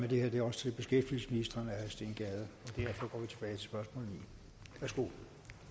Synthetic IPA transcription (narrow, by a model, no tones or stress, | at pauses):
med̥e̝heɐd̥e̝ɒ̽sə̥t͡sʰe̝lb̥e̝sɡ̥efd̥il̩səsminisd̥ʁɐnæhæsd̥e̝nɡ̥ɛðˠəɒ̽d̥æɐ̰fɒ̽ɡ̥ɒ̰ːʋit͡sʰe̝b̥ɛːɪt͡sʰe̝sb̥ɶɐsmɔ̰lnḭ | ʋæɐsɡ̥o̝̰